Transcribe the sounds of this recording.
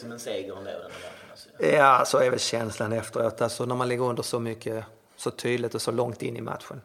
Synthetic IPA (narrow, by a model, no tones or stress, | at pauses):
ɔmɛnseːɡəɾɔnlḛːd̪ | jaːsɔɛɾvɛlɕɛnslanɛft̪əɾoːt̪ʰalsɔnæɾmanlɪɡːəɾɵnd̪əʂɔmʏkʰːə | sɔt̪ʰyːd̪lɪt̪ɔsɔlɔŋt̪ɪ̰nːɪma̰t̪ɧən